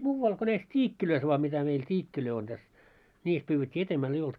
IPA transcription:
muːwːɑl ko næis tʲiːkːiløis ʋoɑ mitæ meil tʲiːkːiløi on tæs niːs pyːwːetʲːi etemːæl ei olt

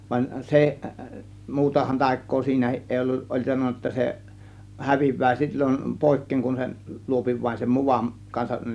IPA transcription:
ʋɑn seʔ muːtɑhɑn tɑˑe̝kˑoː siːnæhiʔ ʔeˑi olːuʔ ʔolʲ sɑnonˑɑ ə̆tːɑ se hæʋiʋˑæː silʲːon poˑe̝kːeːŋ kun sen luopi ʋɑin sem muʋɑm kɑnsɑʔ

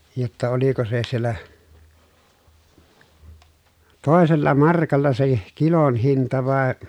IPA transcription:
jotːɑ oliko se sielːæ toˑeselːɑ mɑrkɑlːɑ se kilon hintɑ ʋɑˑe

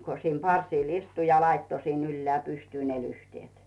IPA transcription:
ko siːm pɑrsiˑl istu jɑ lɑitːo sin ylːeæˑ pystyː ne lyhtĭeˑt

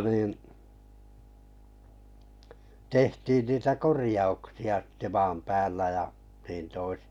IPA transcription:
niːn tehtiːn niːtæ korĭjɑuksiɑ ste̥ mɑːm pæːlːæ jɑ niːn toisi̥

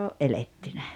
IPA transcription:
oʔ ʔeletːynæ

